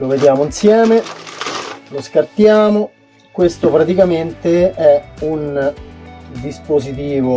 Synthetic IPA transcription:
loved̪jaːmoinsjɛːme | loskart̪jaːmo | kwest̪opɾat̪ikament̪eɛun | d̪ispozit̪̬iːvo

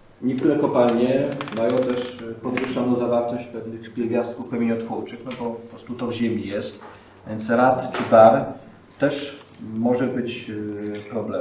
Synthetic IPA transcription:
ɲɛk̚t̪uɾɛkɔpalɲɛmajɔ̃w̃t̪ɛʂpɔd̪vɘʂanɔ̃zavaɾt̪ɔɕt͡ɕpɛvnɘxpʲjɛlvʲjast̪̚kufxɛmʲeɲɔt̪fuɾt͡ʂɘxnɔbɔpɔpɾɔst̪ut̪ɔvʑemʲijɛst̪ | vʲjɛnt̪sɾat̪t͡ʂɘd̪aɾ | t̪ːɛʂ | mɔʐɛbɘt͡ɕ | pɾɔblɛ

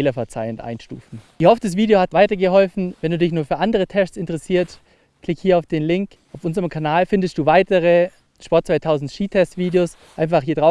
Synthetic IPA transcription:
lɐfɛɐt͡saɪəntʔa̰ɪnʃtṵːfn̩ihɔfd̥asv̥iːdeohatv̥aɪtɐɡəɦɔlfn̩vɛnduːdɪçnuːɐfyːɐʔandəʁətʰɛʃsɪntəʁɛsiːɐt | klɪkhiːɐaʊfd̥eːnlɪŋk | ʔaʊfʔʊnzəʁəmkʰanaːlfɪndəstd̥uːvaɪtəʁə | ʃpɔɐtt͡sv̥aɪtʰaʊzn̩tʃiːtʰɛstv̥iːdeoːs | ʔaɪnfaχhiːɐdʁaʊ

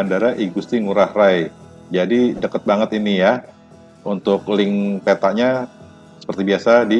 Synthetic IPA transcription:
andaɾaʔiɡust̪iŋuɾahraj | d͡ʒadidəkət̪̚baŋət̪inija | unt̪ʊk̚lɪŋpet̪aʔɲa | sə̥pərt̪ibiasadi

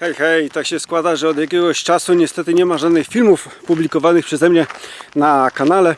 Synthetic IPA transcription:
xɛjxɛjt̪akɕɛskwad̪aʐɛɔd̪jakʲɛɡɔɕt͡ʂasuɲɛst̪ɛt̪ɘɲɛmaʐad̪nɘxfʲilmufpublʲikɔvanɘxpʂɛzɛmɲɛnakanalɛ

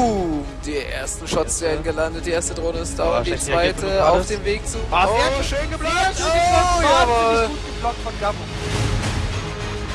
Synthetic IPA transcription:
d̥iːʔḛːɐstn̩ʃɔtsv̥eːɐdn̩ɡəlandət̚d̥iːʔeːɐstədʁoːnəɪstaʊd̥it͡sv̥aɪtəaʊffd̥eːmveːk̚t͡suːaaɐʃøːnɡəblatːdiɔaːbɐ | blɔkfɔnɡamʊn

